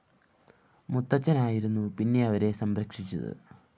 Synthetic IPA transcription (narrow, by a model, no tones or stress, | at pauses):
mut̪ːɐt͡ɕːɐnaːjiɾunːupinːe̞ɐʋɐɾe̞sɐmɾɐkʂit͡ɕːɐ̰ðɨ̰